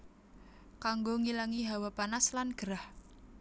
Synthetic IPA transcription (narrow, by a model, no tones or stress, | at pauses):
kaŋɡoŋilaŋiɦawapanaslanɡ̥əɾah